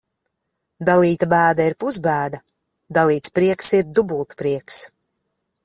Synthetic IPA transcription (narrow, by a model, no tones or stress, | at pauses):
d̪alˠiːt̪abæːd̪aiɾpuzbæːd̪a | d̪alˠiːt̪spɾiɛksiɾd̪ubulˠt̪pɾiɛks